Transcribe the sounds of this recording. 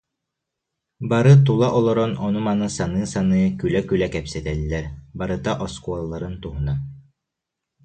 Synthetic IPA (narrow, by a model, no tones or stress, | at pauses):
baɾɯt̪ulˠaʔɔlˠɔɾɔnɔnumanɯsanɯːsanɯːkylɛkylɛkɛpsɛt̪ɛlːɛɾbaɾɯt̪aʔɔskuɔlˠːaɾɯnt̪uɦuna